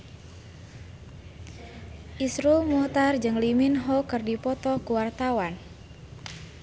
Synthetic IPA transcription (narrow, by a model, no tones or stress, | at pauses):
ʔisɾumɔt̪ard͡ʒɨŋliminɦɔkɨrdipɔt̪ɔkuwart̪awan